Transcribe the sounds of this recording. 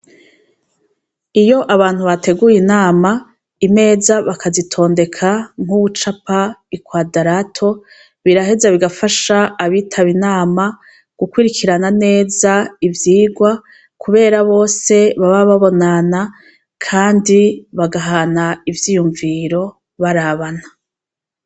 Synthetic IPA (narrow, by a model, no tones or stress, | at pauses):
ijo̞ʔaβaːn̥huβatʰe̞ɡujinaːma | ime̞ːzaβakʰazitʰo̞ːnde̞kʰaŋ̥huβut͡ʃapaikwadaɾatʰo̞ | βiɾaɦe̞zaβiɡafaʃaːβitʰaβinaːma | ɡ̥ukwiɾikʰiɾanane̞ːzaivjiːɡwa | kʰuβe̞ːɾaβo̞ːse̞βaβaβaβo̞nana | kʰaːndiβaɡaɦanaivjiːjuɱviɾo̞ | βaɾaβana